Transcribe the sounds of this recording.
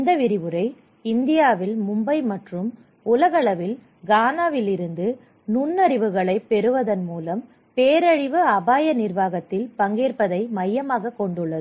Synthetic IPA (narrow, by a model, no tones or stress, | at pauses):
ɪnd̪ɐʋɪɾɪʋɯɾɐɪ | ɪnd̪ɪjaːʋɪlmʊmbɐɪmɐʈrɯm | ʊlɐɣɐɭɐʋɪl | ɡaːnaːʋɪlɪɾɯnd̪ɯ | nʊnːɐɾɪʋɯɣɐɭɐɪpɛɾɯʋɐðɐnmuːlɐm | peːɾɐɻɪʋɯɐbaːjɐnɪrʋaːɣɐt̪ːɪlpɐŋɡeːrpɐðɐɪmɐjːɐmaːɣɐkːɔɳɖɯɭːɐðɯ